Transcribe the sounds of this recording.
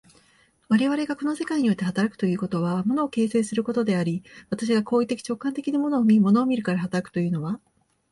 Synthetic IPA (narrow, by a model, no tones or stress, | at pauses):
βaɾe̞βaɾe̞ɡako̞no̞se̞kaiɲ̟io̞t̪ːe̞hat̪aɾakɯ̟̥t̪o̞jɯ̟ːko̞t̪o̞βamo̞no̞ːke̞ːse̞ːsɨɾɯ̟ko̞t̪o̞d̪e̞aɾʲiβat̪aɕ̬iɡako̞ːit̪ːe̞kʲi̥t͡ɕo̞kːãnt̪e̞kʲinamo̞no̞ːmʲimo̞no̞ːmʲiɾɯ̟kaɾaɦat̪aɾakɯ̟̥o̞jɯ̟ːno̞βa